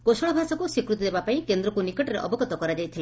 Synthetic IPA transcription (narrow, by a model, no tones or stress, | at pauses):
kosɔɭɔbʱasakusikɾut̪̬id̪ebapaĩkend̪ɾɔkunikɔʈɔɾeʔɔ̰bɔɡɔt̪ɔkɔɾad͡ʒajt̪ʰila